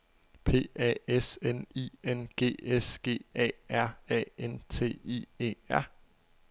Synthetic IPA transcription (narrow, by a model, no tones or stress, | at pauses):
pʰe̝̰ːɛ̰ːesenḭːenɡ̥e̝̰ːesɡ̥e̝̰ːɛ̰ːæɐ̰ɛ̰ːent͡sʰe̝̰ːie̝̰ːæɐ̰